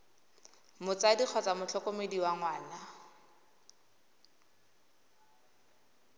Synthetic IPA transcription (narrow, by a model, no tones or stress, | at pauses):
mʊt͡sadik͡xʰɔt͡samʊt͡ɬʰɔkomediwaŋwaːna